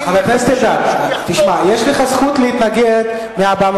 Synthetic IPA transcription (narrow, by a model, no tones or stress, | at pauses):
avaknest̪ed̪at̪iʃmajeʃleχasχut̪lehit̪naɡed̪ | meabam